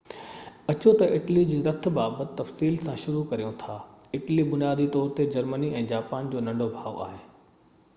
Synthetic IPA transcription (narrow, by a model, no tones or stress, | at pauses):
ɐt͡ɕot̪ɐʔɪʈlid͡ʑiːɾɐt̪̆ʰbaːbət̪ɪt̪ːɐfsiːlsãʃʊɾukɐɾijõt̪ʰaːɪʈlibʊnjaːd̪ʱit̪ɔːɾt̪ed͡ʑɐɾməniɛ̃ːd͡ʑaːpaːnd͡ʑoːnɐ̃ɳɖʱobʱaːʋo̰ʔa̰ːɦeː